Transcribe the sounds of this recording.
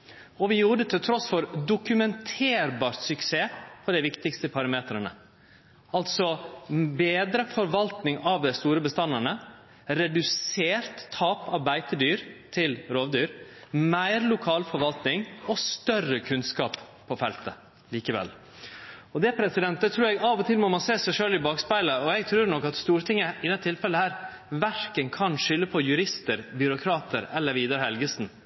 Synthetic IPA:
ɔʋɪjuːɖət̪ʰɪlt̪ʰɾɔsfɔɾd̪ʊkʉmɛnt̪ʰeːɾbɑːɾt̪sʏkseːpʰɔd̪ɛɪʋɪkt̪ɪkst̪əpʰɑɾɑmeːt̪ɾənə̰ | ɑlt̪sɔbeːd̪ɾəfɔɾʋɑlt̪nɪŋɑʋd̪æɪst̪uːɾəbəst̪ɑnəɳə | ɾɛd̪ʉseːɾt̪ʰːɑːpɑɾbæɪt̪əd̪yːɾt̪ʰɪlɾoːʋd̪yːɾmæɪɾlʊkʰɑːlfɔɾʋɑlt̪nɪŋɔst̪œrəkʰʉnskɑ̰ːp | pʰːɔfɛlt̪ə | liːkəʋɛ̰l | ɔd̪ɛpʰɾɛsɪd̪ɛnt̪̚d̪ɛt̪ʰɾʉːɾɛɡɑʋɔt̪ʰɪlmɔmɑnseːsæɪʂøːlɪbɑːkspæɪləɔɛɡt̪ʰɾʉːɾɳɔkːɑt̪st̪uːɾt̪ʰɪŋːəɪd̪ɛt̪ʰːɪlfɛlːəhæːɾ | ʋæɾkənkʰɑnʂʏlːəpʰɔjʉɾɪst̪əɾbjʏɾʊkʰɾɑːt̪ʰəɾɛlːəɾʋiːd̪ɑɾhɛlɡəsn̩

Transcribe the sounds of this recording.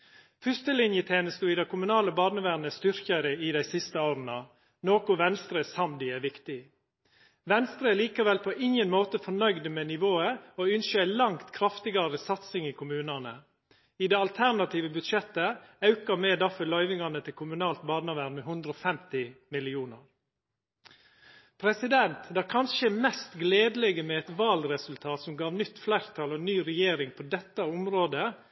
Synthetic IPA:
fʏst̪əlɪnjət̪ʰeːnəst̪uːɪd̪ɛɪkʰʊmʉnɑːləbɑːnəʋæɾnəst̪ʏɾkɑɾəɪd̪æɪsɪst̪əoːɾənɑ | noːkʊʋɛnst̪ɾəsɑmd̪ɪɛːʋɪkt̪ɪ | ʋɛnst̪ɾəɛliːkɑʋɛlpʰɔʔɪŋənmoːt̪əfɔnœʏd̪əmɛnɪʋoːəoːʉnʃəæɪlɑŋt̪kʰɾɑft̪ɪɡɑɾəsɑt̪sɪŋikʰʊmʉːnɑnə | ɪd̪ɛɑlt̪ʰæɳɑt̪iːʋəbʉd̪ʃɛt̪ːəɑʉkɑmɛːd̪ɑfəlœʏʋɪŋɑnət̪ʰɪlkʰʊmʉnɑːlt̪bɑːd̪nɑʋænmɛɦʉnd̪ɾəɔːfɛmt̪ɪmɪlɪuːnəɾ | pʰɾɛsɪd̪ɛnt̪d̪æːɾkʰɑnʃəɛmɛst̪ɡleːd̪əlɛɡəmɛɛt̪ʋɑːlɾɛsʉlt̪ʰɑːt̪sɔmɡɑːʋnʏt̪ːflæːɾt̪ʰɑlɔnyːɾɛjeːɾɪŋpʰɔd̪ɛt̪ːɑʊmɾoːd̪ə

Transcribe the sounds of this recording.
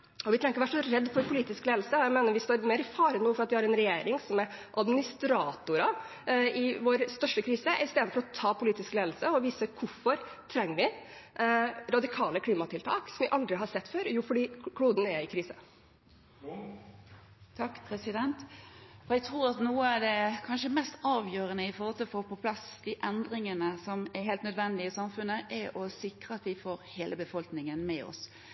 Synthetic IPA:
ɔʋɪt̪ʰɾɛŋkəɾɔʋæːʈʂɔɾɛd̪ːfɔɾpʊliːt̪ɪskleːd̪lsəɔjæɪmeːnəɾʋɪst̪oːɾmeːɾɪfɑːɾənuːəfɔɾɑt̪ʋɪhɑɾɛnɾɛjeːɾɪŋsɔmɛʔɑd̪mɪnɪst̪ɾɑːt̪ʊɾɑ | ɪʋoːɾst̪œʂʈəkʰɾiːsəɪst̪eːd̪nfɔɾɔt̪ʰɑːpʰʊliːt̪ɪskleːd̪lsəɔʋiːsəkʰʊfɔɾt̪ʰɾɛŋːəʋɪ | ɾɑd̪ɪkʰɑːləkʰliːmɑt̪ʰɪlt̪ʰɑːksɔmʋɪʔɑld̪ɾɪɦɑsɛt̪ːføːɾjuːfɔɖiːkʰɽuːd̪n̩ɛɾɪkʰɾiːsə | t̪ʰɑkːpʰɾɛsɪd̪ɛnt̪ɔɾɛɡt̪ʰʁuːɾɑt̪nuːəɑʋd̪ɛkʰɑnʂəmɛst̪ɑːʋjøːɾənəɪfɔɾʁɔlt̪ʰɪlɔfoːpɔpʰlɑsd̪̥ɪʔɛnd̪ɾɪŋənəsɔmɛɾɦeːlt̪nœd̪ʋɛnd̪ɪɪsɑmfʉnːəʔɛɾɔsɪkɾəɑt̪ʋɪfoːɾheːləbəfɔlknɪŋənmɛɔ̰s

